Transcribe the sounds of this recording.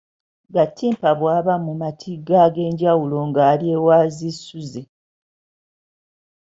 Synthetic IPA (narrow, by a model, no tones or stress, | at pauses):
ɡatːiːmpaβwaːβamumatʰiɡːaɡe̞ːɲɟawulo̞ŋɡaːlje̞waːzisuze